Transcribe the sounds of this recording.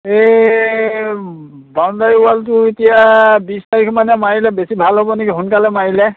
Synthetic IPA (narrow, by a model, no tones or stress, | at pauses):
e | bandajualt̬ʊetijabistaɹikʰmanɛmaɹilɛbesibʱalɦobɔnekiɦʊnkalɛmaɹilɛ